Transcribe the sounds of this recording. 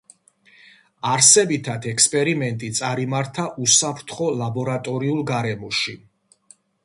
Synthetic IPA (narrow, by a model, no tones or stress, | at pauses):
aɾsɛbit̪ʰad̪ʰɛkspʼɛɾimɛnt̪ʼit̪sʼaɾimaɾt̪ʰaʔusapʰɾt̪ʰχɔlabɔɾat̪ʼɔɾiulˠɡaɾɛmɔʃi